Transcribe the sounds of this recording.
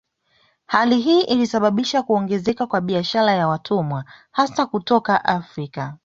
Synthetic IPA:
haliɦiːʔilisaɓaɓiʃakuɔŋɡɛzɛkakwaɓiaʃaɾajawatʰumwahasakutɔkaʔafɾika

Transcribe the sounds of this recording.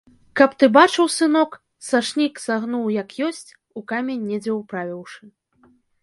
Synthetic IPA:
kɐpt̪ɨbat͡ʂɨwsɨnɔk | saʂnʲiksaɣnuwjɐkjɔsʲt͡sʲ | ukamʲenʲːɛd͡zʲɛwpɾavʲiwʂɨ

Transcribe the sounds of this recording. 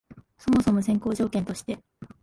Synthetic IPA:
so̞mo̞so̞mo̞s̬ẽ̞ŋko̞ːʑo̞ːkent̪o̞ɕi̥t̪e̞

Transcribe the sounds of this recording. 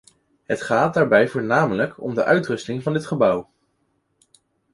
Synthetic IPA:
ɦətχaːt̚daːɹbɛjvʊːɹnaːmələkɔ̰mdəʔœɥtrɵstɪŋvɑndɪtχəbʌw

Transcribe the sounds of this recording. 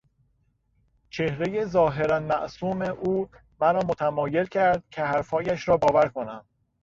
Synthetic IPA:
t͡ʃʰe̞hɾe̞jezɒːɦe̞ɾænmæʔsuːmeʔuː | mæɾɒːmot̪ʰæmɒːje̞lcʰæɾd̪̥̚cʲʰehæɾfɒːjæʃɾɒːbɒːvæɾkʰo̞næm

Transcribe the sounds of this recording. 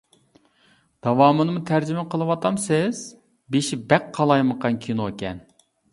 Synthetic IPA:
d̪̥ɑwɑːmɨnɨmut̪ʰæɾd͡ʒimɪqʰəlˠɨwɑt̪ʰɑmsɪz̥ | beʃibɛkqʰːɑlˠɑjməqʰɑnkʲʰinoekʲɛn

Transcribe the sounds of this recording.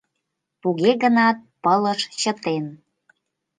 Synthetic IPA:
puɣeɣənɑt̪̚pələʃt͡ɕə̆t̪en

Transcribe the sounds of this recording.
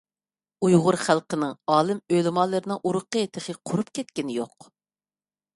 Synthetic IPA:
ujʁʊɾχælˠqənɨŋɑːlˠɨmølɪmɑlˠːɨɾɪnɨŋʔuɾʊqːəet̪ʰɨχəqʰʊɾupkʲʰɛt̪̚kʲɪnɪjo̰q

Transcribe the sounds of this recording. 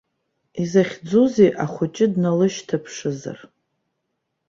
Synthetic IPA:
izaχʲd͡zuzeʔaχʷʊt͡ʃʼɪdnalɨʃtʰapʰʂɨza̰r

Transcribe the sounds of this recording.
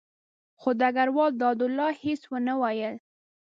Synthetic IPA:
xod̪aɡaɾwɑld̪ɑd̪ʊlːɑheswənəwɑjəl

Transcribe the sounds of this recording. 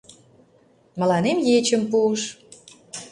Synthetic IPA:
mə̆lɑnemjet͡ɕəmpuəʃ

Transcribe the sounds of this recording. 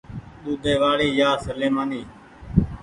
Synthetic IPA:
ɗ̪uːd̪ʱeːʋaːɽiːjaːsəleːmaːniː

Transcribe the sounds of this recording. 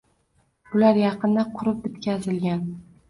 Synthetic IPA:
b̥ʊlaɾjɑqɨnd̪aqʰʊɾɪp̚d̪ɪt̪kʲazɪlɡʲan

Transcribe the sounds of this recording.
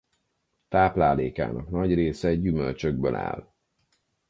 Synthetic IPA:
t̪aːplaːleːka̰ːnɒ̰knɒɟreːsɛɛɟːymølt͡ʃøɡ̚bø̰la̰ːl

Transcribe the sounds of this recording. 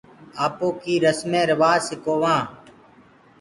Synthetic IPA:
aːpoːkiːɾəsmẽːɾəʋaːsɪkoːʋãː

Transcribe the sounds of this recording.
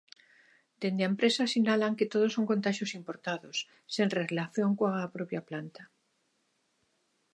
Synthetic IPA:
d̪end̪eaempɾesasinalaŋket̪oð̞oso̞ŋko̞nt̪aʃjo̞simpoɾt̪aðosː | enrelaθjo̞ŋkoapɾopjaplant̪ḁ

